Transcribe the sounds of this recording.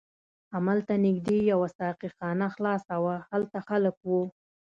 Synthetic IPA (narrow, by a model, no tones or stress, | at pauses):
amalt̪anɪɡd̪ejawasɑqixɑnaxlɑsawahalt̪axaləkwu